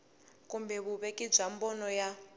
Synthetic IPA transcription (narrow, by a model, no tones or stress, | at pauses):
kumbɛβuβɛkʼib͡ʐambɔnɔja